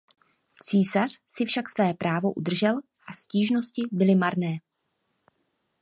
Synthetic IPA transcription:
t͡siːsar̝̥sɪfʃaksvɛːpɾʔaːvo̞ʔṵdr̩ʒɛl | ʔasciːʒno̞scɪbɪlɪmaɾnɛː

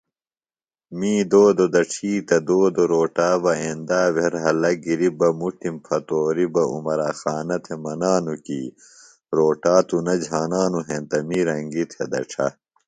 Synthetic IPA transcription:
miːd̪oːd̪od̪ɐʈ͡ʂʰiːt̪ɐd̪oːd̪oɾoːʈaːbɐeːnd̪aːʋeɾɦɐlɐɡiɾibɐmuʈimpʰɐt̪oːɾibɐṵmɐɾaːxaːnɐt̪ʰemɐnaːnukiː | ɾoːʈaːt̪unɐd͡ʑʱaːnaːnuɦent̪ɐmiɾɐŋɡit̪ʰɐ̰d̪ɐ̰ʈ͡ʂʰɐ̰

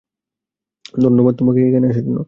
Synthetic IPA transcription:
d̪ʱonːobad̪̚t̪omakekekʰaneaʃet̪ino

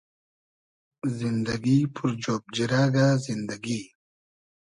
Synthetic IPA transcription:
zind̪ɐɡipʰuɾd͡ʑoːb̚d͡ʑiɾaːɡazind̪ɐɡi

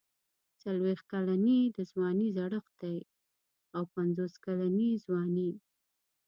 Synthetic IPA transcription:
t͡salwext̪̚kalanid̪əzwɑnizaɽəxd̪aj | awpanzoskalanizwɑni

